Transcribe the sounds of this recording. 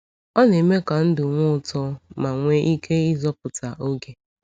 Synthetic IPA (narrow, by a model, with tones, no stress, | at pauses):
ɔ˦ne˨me˦ka˨n̩˦dʊ˨ŋʷʊ˦ʊ˨tɔ˦ma˨ŋʷe˦ʔi˦ke˦i˦zɔ˦p̚ʊ˨ta˨ʔo˦ɡe˨